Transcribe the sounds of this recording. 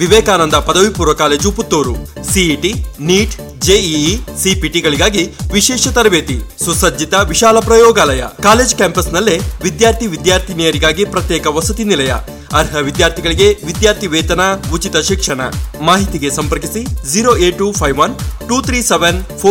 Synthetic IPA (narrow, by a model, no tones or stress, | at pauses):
ʋiʋɛːkaːnɐnd̪ɐpɐd̪ɐʋipuːɾʋɐkaːleːd͡ʒuput̪ːoːɾusiiʈiniːʈ | d͡ʒeːisipiʈiɡɐɭiɡaːɡiʋiʃɛːʃɐt̪ɐɾɐʋeːt̪isusɐd͡ʒit̪ɐʋiʃaːlɐpɾɐjɔːɡaːlɐjɐ̰kaːle̞ːd͡ʒkaːmpɐsnɐlːeʋid̪jaːɾt̪ʰiʋid̪jaːɾt̪ʰinijɐɾiɡaːɡipɾɐt̪jɛːkɐʋɐsɐt̪inilɐjɐ̰ | ɐɾɦɐʋid̪jaːɾt̪ʰiɡɐɭiɡeʋid̪jaːɾt̪ʰiʋɛːt̪ɐnaut͡ʃit̪ɐʃikʂɐɳɐ̰maːɦit̪iɡe̞sɐmpɐɾkisid͡ʒiːɾoːeːʈːupʰɐjʋʋɐnʈuːt̪ʰɾiːseʋenpʰoː